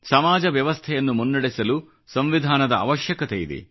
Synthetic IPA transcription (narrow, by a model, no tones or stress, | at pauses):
sɐmaːd͡ʒɐʋjɐʋɐst̪ʰɛjɐnːumunːɐɽisɐlu | sɐmʋid̪ʱaːnɐd̪ɐa̰ːʋɐʃjɐkɐt̪ejid̪ḛ